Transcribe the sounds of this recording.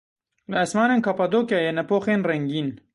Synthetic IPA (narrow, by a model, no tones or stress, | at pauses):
ləasmɑːneːnkapad̪oːkjaːjɛnɛpoːxeːnrɛŋɡiːn